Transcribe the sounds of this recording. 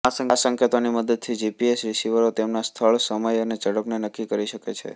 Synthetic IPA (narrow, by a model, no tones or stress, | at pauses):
asəŋasəŋkjət̪animəd̪əd̪̚t̪ʰid͡ʒipiesɾɪsiʋəɾot̪emnast̪ʰəɭsəməjəned͡ʒəɽəpnenəkːikəɾiʃəket͡ʃʰḛ